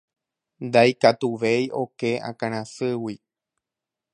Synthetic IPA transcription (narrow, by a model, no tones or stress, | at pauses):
nd̪ajkat̪uʋejʔo̞keã̰kãɾ̃ãsɨwi